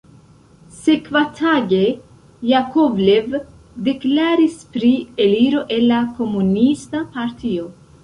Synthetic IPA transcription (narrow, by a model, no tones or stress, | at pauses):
se̞kvatʰaɡe̞ | jakovle̞v | deklaɾispɾieliɾo̞ʔe̞lːako̞munistapaɾtʰio̞